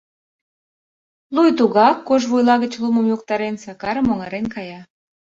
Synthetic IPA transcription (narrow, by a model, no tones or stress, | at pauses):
lujt̪uɣɑkːoʒβujlɑɣə̆t͡ɕlumə̆mjuk̚t̪ɑɾensɑkɑɾəmoŋɑɾenkɑjɑ